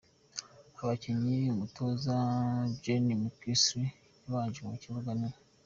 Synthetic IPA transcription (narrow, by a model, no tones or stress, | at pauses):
aβaciɲiumutozabɟenimukisɾi | niβaːɲd͡ʒiŋuciβuɡane